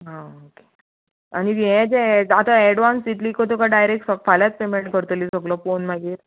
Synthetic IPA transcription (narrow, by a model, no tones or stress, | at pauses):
ɦãoke̥ | a̰ɽiɡeẽt͡ɕeat̪aeɽʋansit̪liːkɔt̪̬ɔkaɖajɾek̚ʈsəkfaljat͡s̚pemeɳʈkəɾt̪liːsəklɔfonmaɡiːɾ